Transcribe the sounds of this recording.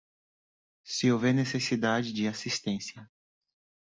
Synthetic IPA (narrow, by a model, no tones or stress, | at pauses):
siovɛɾnesesid̪ad͡ʒɪd͡ʒɪasist̪ẽsjɐ